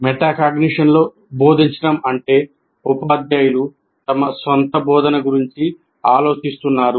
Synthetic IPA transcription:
mɛʈaːkaɡniʂɐnlo̞ː | bo̞ːd̪ʱiɲt͡ʃɐʈɐmɐɳʈe̞ː | upaːd̪jaːjulu | t̪ɐmɐsʋɐnt̪ɐbɔːd̪ɐnɐɡuɾiɲt͡ʃi | aːlo̞ːt͡ʃist̪unːaːɾu

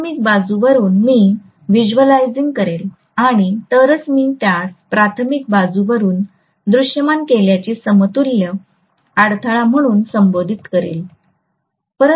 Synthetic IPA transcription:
mik̚bad͡zuʋəɾuːnmiː | ʋid͡ʑuʋəlajd͡ziŋɡ̚kəɾel | aɽ̃it̪əɾət͡smiːt̪jat͡spɾat̪ʰəmik̚bad͡zuʋəɾuːn | d̪ɾuʂjəmankeljat͡ɕesəmət̪uljə | aɽt̪ʰaɭam̤əɽ̃uːnsəmbod̪ʱit̪kəɾḛl | pəɾə

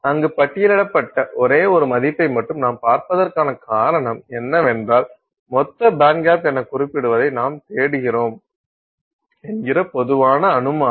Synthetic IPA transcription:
ɐŋɡɯpɐʈːɪjɪlɪɽɐpːɐʈːɐʔɔɾeːɔɾɯmɐðɪpːɐɪmɐʈːɯmnaːmpaːɾpɐðɐrkaːnɐkaːɾɐɳɐmɛnːɐʋɛndraːl | mɔt̪ːɐbaːŋɡaːpɛnːɐkːʊrɪpːɪɽɯʋɐðɐɪnaːmt̪eːɽɯɣɪroːm | ɛnɡɪɾɐpɔðɯʋaːnɐːnɯmaː

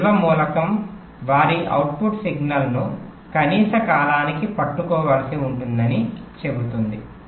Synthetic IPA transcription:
ʋɐmuːlɐkɐm | ʋaːɾiʔɐ̰wʈ̚puʈsiɡnɐlnu | kɐniːsɐkaːlaːnikipɐʈːukɔːʋɐlɐsiuɳʈund̪ɐnit͡ʃe̞but̪und̪i

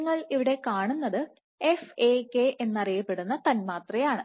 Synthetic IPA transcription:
ŋːɐɭiʋiɽe̞kaːɳunːɐðɨ | e̞fekːeʔe̞nːɐrijɐpːe̞ɽunːɐt̪ɐnmaːt̪rɐjaːɳɨ

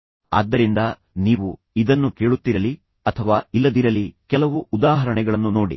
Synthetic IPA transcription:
a̰ːd̪ːɐɾind̪ɐ | niːʋu | id̪ɐnːukeːɭut̪ːiɾɐli | ɐt̪ʰɐʋaːilːɐd̪iɾɐlikɛlɐʋuʔːd̪aːɦɐɾɐɳɛɡɐɭɐnːunoːɽḭ

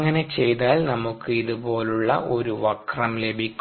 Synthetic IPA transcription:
ŋːɐne̞t͡ɕe̞jt̪aːlnɐmukːɨiðubo̞ːluɭːɐ̰ʔo̞ɾuʋɐkrɐmle̞bʱikʲː

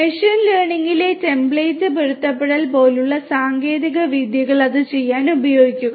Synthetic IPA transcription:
meʂɐnleːɳiŋɡiletembɭeːtːɨpiɻut̪ːɐpːeɽɐlpo̞ːluɭːɐsaːŋɡe̞ːðiɣɐʋid̪jɐɣɐɭɐðɨt͡ɕe̞jːaːnubɐjo̞ːɡikʲːuɣɐ

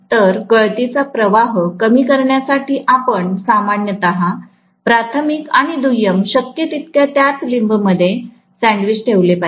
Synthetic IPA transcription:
t̪əɾkəɭt̪it͡sapɾəʋaɦkəmiːkəɾɳjasaʈʰiːʔapəɳsamaɳjət̪aɦa | pɾat̪ʰəmikaɽ̃id̪ujəmɕəkjət̪it̪̚kjat̪jat͡slimbməd̪ʱːje | sɛ̃ɳɖʋit͡sʈʰeʋlepa

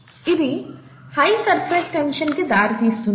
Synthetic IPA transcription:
iʋihɐjsɐɾpʰɾesʈenʂɐnked̪aːɾit̪iːst̪un

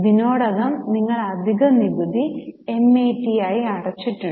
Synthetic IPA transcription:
dino̞ːɽɐɣɐmniŋːɐɭɐd̪ʱiɣɐnibɐd̪ʱie̞meːʈːijaːjiɐɽɐt͡ɕːiʈːu

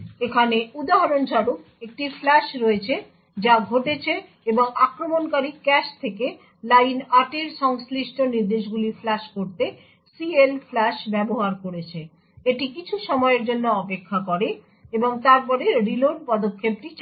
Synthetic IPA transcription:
ekʰaneud̪aɦaɾonʃaɾuk | ek̚ʈiflɛʃɾɔet͡ɕʰe | d͡ʑaɡʱoʈet͡ɕʰe | eboŋakɾomonkaɾikɛʃt̪ʰeke | lajnaʈeɾʃɔŋsliʃʈʰoniɾd̪eʃ̬ɡuliflɛʃkoɾt̪e | sielflɛʃbɛboɦaɾkoɾet͡ɕʰe | eʈikit͡ɕʰuʃɔmɔeeɾd͡ʑonːoɔpekʰːakɔɾe | eboŋt̪aɾpɔɾeɾiloɾpɔd̪okʰːep̚ʈit͡ɕ

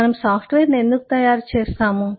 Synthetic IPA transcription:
ɐnɐmsaːpʰʈʋeːɾne̞nd̪uku̥t̪ɐjaːɾt͡ʃeːst̪aːmu

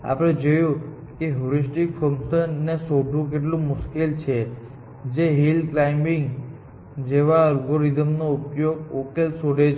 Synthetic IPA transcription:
a̰pɽ̃ed͡ʒəjũ | keɦuɾisʈikfəŋkʃənːesoɖʱũk̬eʈlũmʊʃkilt͡ʃʰe | d͡ʒeɦilklaimiŋɡ | d͡ʒeʋaəlɡoɾid̪əmnoupjoɡokelsoɽet͡ʃʰ

